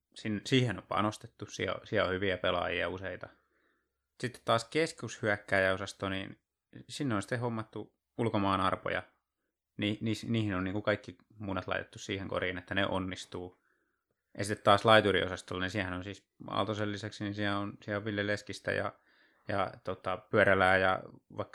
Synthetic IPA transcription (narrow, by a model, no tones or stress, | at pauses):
sinːsiːhenompɑ̰nost̪et̪ːussḭæ̰o̰siæohyʋiæpelɑ̰jiɑuseit̪ɑ | sit̪ːe̥t̪t̪ɑːskeskushyækːæːjɑosɑst̪oniːn | sinːeonsi̥t̪ːehomːɑt̪ːu | ulkomɑːnɑrpo̰jɑ̰ | niːnisniːhinonniːŋkukɑikːi | muːnet̪lɑ̰it̪e̥t̪ːussiːheŋko̰riːnet̪ːæneʔo̰nːist̪uː | jɑsit̪ːet̪t̪ɑːslɑit̪urio̰sɑst̪olːɑninsiæhænonsiːs | ɑ̰lt̪oselːiseksininsiæonsiæoʋilːeleskist̪æ̰jɑ̰ | jɑ̰t̪ot̪ɑpyæɾælæːjɑ̰ʋɑikː